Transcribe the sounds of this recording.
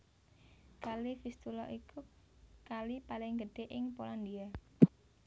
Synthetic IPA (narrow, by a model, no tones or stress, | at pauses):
kalifist̪ulɔʔiku | kalipalɪŋɡəɖ̥e̤ʔɪŋpoland̪ia